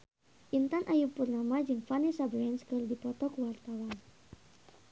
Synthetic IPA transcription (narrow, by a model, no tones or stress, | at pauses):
ʔint̪anʔajupurnamad͡ʒɨŋfanisabɾɛnskərdipɔt̪ɔkuwart̪awan